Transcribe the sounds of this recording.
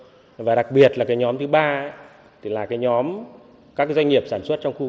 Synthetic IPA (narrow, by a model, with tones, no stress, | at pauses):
vaː˨˩ɗa˨˩k̚ɓi˨˩ət̚laː˨˩kaː˨˦jɲɔ˨˦mt̪ɨ˨˦ɓaː˧˦ | t̪ʰi˨˩laː˨˩kaː˨˦jɲɔ˨˦m | kaː˦˥kzwa˧jŋŋi˨˩əp̚saː˧˩nswə˦˥t̚t͡ɕɔ˧ŋ͡mxu˧